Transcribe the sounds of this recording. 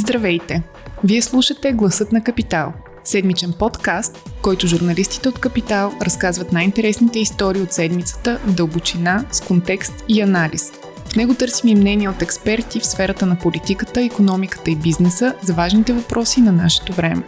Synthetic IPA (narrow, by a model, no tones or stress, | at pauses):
zd̪ɾɐvɛjt̪ɛ | viɛslˠuʃət̪ɛɡlˠɐsɤt̪nɐkɐpit̪alˠ | sɛd̪mit͡ʃɛnpɔt̪kast̪kɔjt̪ʊʒuɾnɐlist̪i̥t̪ɛot̪kɐpit̪alˠɾɐskazvət̪najint̪ɛɾɛsnit̪ɛist̪ɔɾiːot̪sɛd̪mit̪sə̥t̪əvd̪əlˠbot͡ʃinaskont̪ɛkst̪iɐnalḭs | fnɛɡot̪ɤɾsimimnɛniɛot̪ɛkspɛɾt̪ifsfɛɾət̪ənɐpolit̪ikət̪əikonɔmikə̥t̪əibiznɛsəzɐvaʒnit̪ɛvɐpɾʔɔsinɐnaʃɛ̥t̪ovɾɛmɛ̰